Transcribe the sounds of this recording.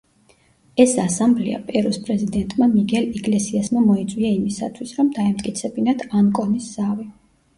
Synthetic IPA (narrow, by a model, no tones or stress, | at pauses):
ɛsasamblḭa̰pʼɛɾɔspʼɾɛzid̪ɛnt̪ʼmamiɡʰɛliɡʼlɛsiasmamɔit̪sʼwiaimisa̰t̪ʰwisɾɔmd̪aɛmt̪ʼkʼit̪sʰɛbinat̪ʰankʼɔnisz̥avi